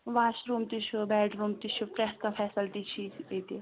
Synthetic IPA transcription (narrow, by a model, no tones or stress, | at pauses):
ʋaːt͡ʃɾuːmt̪it͡ʃʰubɛːɖɾuːmt̪it͡ʃʰupɾɛskãfʰɛːsəlʈ̪it͡ʃʰiːet̪e